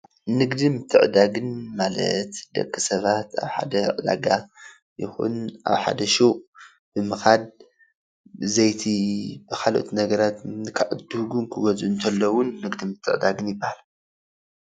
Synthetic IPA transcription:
nɨɡd̪imɨt̪ʰːɨʕd̪aɡɨnmalɐ̰t̪d̪ɐ̰kʰːɨsɐβat̪a̰βħa̰d̪ɐʕɨd̪a̰ɡa | jɪ̰xṵna̰βħa̰d̪ɐʃu | b̥ɨmɨxad̪ | zɐjt̪ʰibɨkʰalo̰t̪ʰnɐɡɐɾat̪nɨkʰaʕɨd̪uhɡunkʰɨɡozʔɨnt̪ʰɐlːowʊnːɨɡd̪imɨt̪ʰːɨ̰ʕd̪aɡɨnjɪbːahal

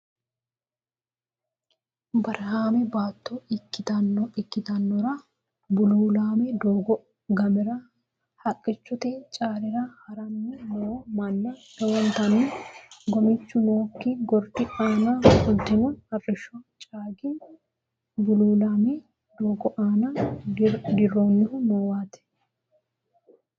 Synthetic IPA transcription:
bɐɾɦaːmɛbaːt̪ːoɪkːɪt̪ɐnːɔɪkːɪt̪ɐnːɔɾɐ | bʊluːlaːmɛd̪oːɡɔ | ɡɐmɪɾɐ | hɐkʼːɪt͡ʃːɔt̪ɛt͡ʃʼaːɾɪɾɐhɐɾɐnːɛnɔwomɐnːɐt̪ɛwɔnt̪ɐnːɪɡɔmɪt͡ʃːʊnoːkːiɡɔɾpɪʔaːnafʊlt̪ɪnɔɐrːɪʃɔt͡ʃʼaːɡɪn | bʊluːlaːme | d̪oːɡɔʔaːna | d̪ɪrːoːnːɪhʊnoːwaːt̪ɛ̥

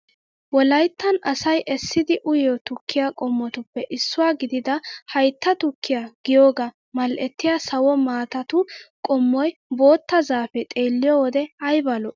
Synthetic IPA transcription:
wɔlɐjt̪ːɐnɐsɐjʔɛsːɪd̪ɪʔʊjɔt̪ʊkʰːɪjakʼɔmːɔt̪ʊpːɛʔɪsːʊwaːɡɪd̪ɪd̪ɐhɐjt̪ːɐt̪ʊkʰːɪjaɡ̥ɪjoːɡa | mɐlʔɛt̪ːɪjasɐwɔmaːt̪ɐt̪ʊkʼɔmːɔjbo̞ːt̪ːɐzaːfɛt̪ʼe̞ːlːɪjɔwɔd̪ɛɐjbɐlɔ

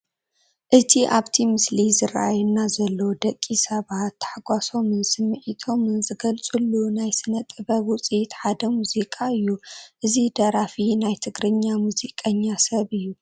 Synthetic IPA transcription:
ʔɨt̪ʰiʔaβt̪ʰimɨslizɨɾa̰ʔajunːazɐlːowd̪ɐkʼːisɐβat̪ːɐ̥ħaɡʷaso̞mɨnsɨmːɨʕit̪ʰo̞mɨnzɨɡɐlt͡sʼulːunajsɨnɐt̪ʼːɨβɐwut͡sʼit̪ħad̪ɐmuzikʼaɨjːuʔɨzid̪ɐɾafinajt̪ʰɨɡɾɨɲːamuzikʼɐɲːasɐβɨjːu

